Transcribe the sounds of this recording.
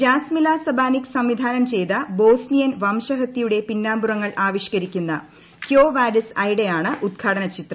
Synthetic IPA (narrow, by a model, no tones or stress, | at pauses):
d͡ʑaːsmilaːsɐbʱaːnikʲsɐmʋid̪ʱaːnɐmt͡ɕe̞jðɐbo̞ːsnijɐnʋɐmɕɐɦɐt̪ːijuɽe̞pinːaːmburɐŋːɐɭʔaːʋiɕkɐɾikʲːunːɐ | kjoːʋaːɖɐsɐjɽejaːɳɨʔud̪̚kʰaːɽɐnɐt͡ɕit̪rɐ